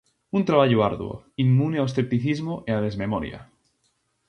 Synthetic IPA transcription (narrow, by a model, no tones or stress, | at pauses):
unt̪ɾaβaʎoaɾðwo̰ | imːuneawsθep̚t̪iθizmoʔeaðezmemoɾja̰